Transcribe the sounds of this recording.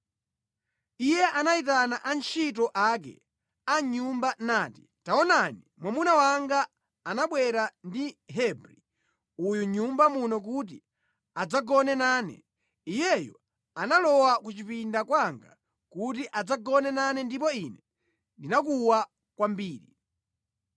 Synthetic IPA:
ijɛʔanaitanaʔant͡ʃʰitɔʔak̬ɛ̰ | aɲumbanaːti̥ | taɔnanimwamunawaŋɡaː | naɓwɛɾandiɦɛbɾi | ujuɲumbamunɔk̬ut̬i | ad͡zaɡɔnɛnaːnɛ̰ | ijɛjɔ̰ | analɔwakut͡ʃipindakwaŋɡa̰ | kut̬iʔad͡zaɡɔnɛnanɛndipɔinɛ | ndinakuwa | kwambiːɾi

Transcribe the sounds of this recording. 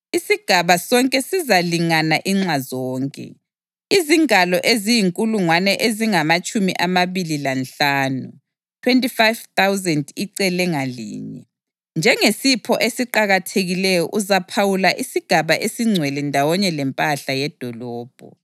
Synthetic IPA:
isiɡ̥ʱaβasɔŋkʼɛsizaliŋanaʔiŋ͡ǁazɔːŋkʼɛ̰ | iziŋalɔʔezijiŋkʼuluŋwanɛʔeziŋamat͡ʃʼumḭʔamaβililanɬaːnu | tʰwentʼifajvt̪awzɛndiǀɛlɛŋalḭːɲɛ̰ | nd͡ʒʱɛŋesipʰɔʔesiǃaɣatʰeɣilɛjɔ̰ʔuzapʰawulaʔisiɡ̥ʱaβaʔesiŋ͡ǀʱwɛlɛndʱawɔɲɛlɛmpʼaɬajɛd̥ʱɔlɔːb̥ʱɔ̰

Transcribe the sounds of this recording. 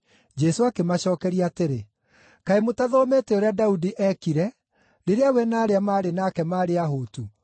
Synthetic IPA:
d͡ʒɛsoakemaɕɔːkɛɾiateɾe | kaemotaðɔːmetɛoɾeadaudiʔɛkiɾɛ | ɾeɾeawɛnaːɾeamaːɾenaːkɛmaːɾeaɦoːtu

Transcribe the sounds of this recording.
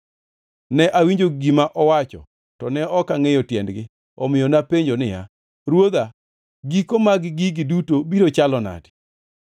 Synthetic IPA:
nɛʔawiɲd͡ʒoɡimaʔɔwat͡ʃɔ̰ | tɔnɛɔkaŋejɔtjɛndɡɪ | ɔmɪjɔnapeɲd͡ʒonɪja̰ | ɾwod̪a | ɡikomaɡɡiɡɪdutobiɾot͡ʃalɔna̰dɪ̥

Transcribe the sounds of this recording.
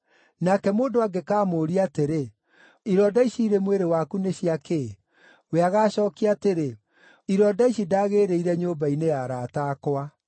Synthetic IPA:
nakɛmoːndoaɡekaːmoːɾiateɾe | iɾɔdaiʃiiɾemweɾewakuneɕiake | weaɣaːɕɔːkiateɾe | iɾɔːdaiʃidaːɣeːɾeiɾɛɲoːbainejaɾaːtaːkoa

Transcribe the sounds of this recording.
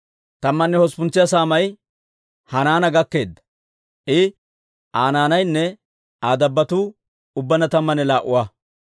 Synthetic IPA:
t̪ɐmːɐnːɛhɔspʊnt͡sːɪjɐsaːmɐj | hɐnaːnɐɡɐkːe̞ːd̪ːɐ̥ | ʔɪ | ʔaːnaːnɐjnːɛ | aːd̪ɐbːɐt̪uː | ʊbːɐnɐt̪ɐmːɐnɛlaːʔʊ̰waː

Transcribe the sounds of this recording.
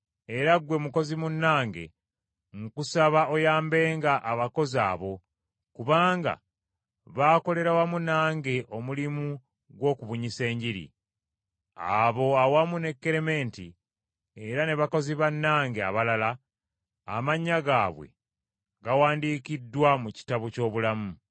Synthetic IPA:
e̞ɾaɡwe̞muko̞zimunːaːŋɡe̞̰ | ŋkusaβaojaːmbe̞ːŋɡaʔːβako̞za̰ːβo̞ | kuβaːŋɡa̰ | βaːko̞le̞ɾawamunaːŋɡe̞ʔo̞mulimu | ɡwo̞ːkuβuɲise̞ːɲɟiɾḭ | a̰βo̞awamune̞kːe̞ɾeme̞nti | e̞ɾane̞βako̞ziβanːaːŋɡea̰βalala | a̰maɲːaɡaːβwe̞̰ | ɡawaːndiːkidːwamuci̥taβuco̞ːβulamu

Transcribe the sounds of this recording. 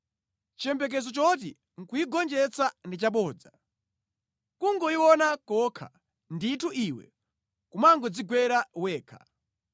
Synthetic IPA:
t͡ʃɛmbɛk̬ɛzɔt͡ʃɔt̬i | ŋ̩kuiɡɔnd͡ʒɛt͡sandit͡ʃaɓɔːd͡za | kuŋɡɔiwɔnakɔkʰa̰ | nditʰuʔiwɛ̰ | kumaŋɡɔd͡ziɡwɛɾawɛːkʰḁ

